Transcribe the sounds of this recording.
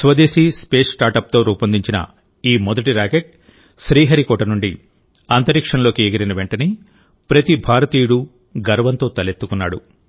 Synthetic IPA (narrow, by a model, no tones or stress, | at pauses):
sʋɐd̪eːsispe̞ːsʈaːɾʈɐp̚t̪o̞ːɾuːpɐnd̪iɲt͡ʃinɐ̰ | iːmɔd̪ɐʈiɾaːkeʈ̚ | ʃɾiːɦɐɾikɔːʈɐnuɳɖi | ɐnt̪ɐɾikʂɐnlo̞ːkieɡɐɾɐnɐʋeɳʈɐni | pɾɐt̪ibʱaːɾɐt̪iːjuɽu | ɡɐɾɐʋɐnt̪o̞ːt̪ɐlet̪ːukunːaːɽṵ